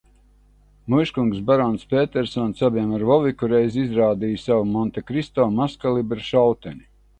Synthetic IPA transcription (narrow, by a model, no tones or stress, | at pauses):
mujʃkuŋksbaɾɔnspʲeːt̪ɛɾsɔnsabiɛmaɾvɔvikuɾɛjzizɾaːd̪ijsavumɔnt̪akɾist̪ɔːmaskalˠibɛɾʃawt̪ɛnʲi